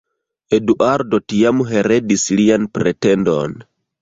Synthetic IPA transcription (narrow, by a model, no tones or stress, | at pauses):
eduʔaɾdotiamuɦeɾedislianpɾetɛndo̰n